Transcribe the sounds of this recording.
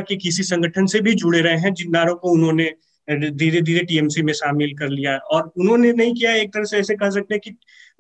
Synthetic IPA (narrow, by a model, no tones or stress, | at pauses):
kekɪsisɐ̃ŋɡʱəʈʰənsebʱid͡ʒʱʊɽeɾɐɦeɦɛ̃d͡ʒɪnːaːɾõkoʊnɦõːne | d̪ʱiːɾed̪ʱiːɾeʈiːɛːmsimẽʃaːmɪlkɐɾlijaɦɛɔːɾʊnɦõnenɐɦĩk̬ijaeːk̚t̪ɐɾəfseɛːsekɐɦsɐk̚t̪eɛ̃ki